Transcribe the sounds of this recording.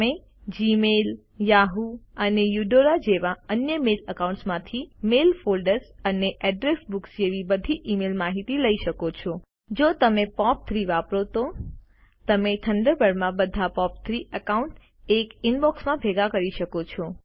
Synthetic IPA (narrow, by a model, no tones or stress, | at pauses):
me | d͡ʒimel | jaɦuənejuɖoɾad͡ʒeʋaənjəmeləkaũɳʈsmãt̪ʰimelfolɖəɾsəneʔɛɖɾesbuksd͡ʒeʋibəd̪ʱiʔimelmaɦit̪iləiʃəkot͡ʃʰɔ | d͡ʒot̪əmepɔp̚t̪ʰɾiʋapɾot̪o | t̪əmet̪ʰəɳɖəɾbəɽmãbəd̪ʱapɔp̚t̪ʰɾiəkauɳʈ | ekinbɔksmãbʱeɡakəɾiʃəkot͡ʃʰɔ